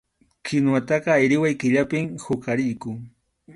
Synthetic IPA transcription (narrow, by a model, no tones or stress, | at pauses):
kʰɪnwat̪ɑqɑːjɾɪwajkɪʎapɪmhʊkaɾɪjkʊŋ